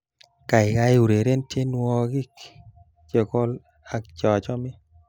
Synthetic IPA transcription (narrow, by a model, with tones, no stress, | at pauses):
ka˨ɪ˨ka˧˦ɪ˦u˨ɾe˨ɾe˦ntje˦nwɔ˧ɡi˦k | t͡ʃe˨kɔ˦l | a˨˦k̚t͡ʃɔ˨t͡ʃɔ˦mɪ˦